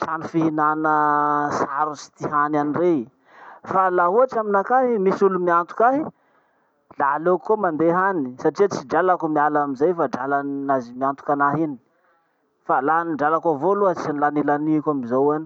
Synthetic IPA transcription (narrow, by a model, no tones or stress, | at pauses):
ʈ͡ʂanifiɦinanəsaɾusi̥t̪iɦananire | falaɦuaʈ͡ʂaminakaɦimisulumiant̪u̥kʲaɦi | lalokːomand̪eɦanisaʈ͡ʂiat͡siɖ͡ʐalakumialamizajfaɖ͡ʐalannazimiant̪u̥kʲanaɦini̥ | falaniɳɖ͡ʐalakavoluat͡sinlanilaniakʲamizowani